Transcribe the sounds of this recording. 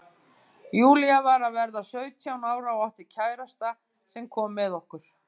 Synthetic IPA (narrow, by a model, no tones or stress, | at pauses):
juːliavaɾavɛɾðasœːɥt̪ʰjawnaːwɾaɔaht̪ɪ̥cʰaːjɾast̪a | sɛmkʰɔːmːɛðɔhkʏɾ̥